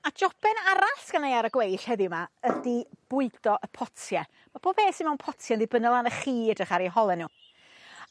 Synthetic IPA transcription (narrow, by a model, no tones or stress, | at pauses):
ad͡ʒɔb̥ɛnaɾaɬɡ̥anejaɾəɡwejɬhɛðɪwmaədib̥ʊɨdɔʔəpʰɔtʰjɛ | mab̥oːb̥heːsɪnmɛwnpʰɔtʰjɛəndibənəlˠanəχiːdəχaɾiɦɔlˠɛnuː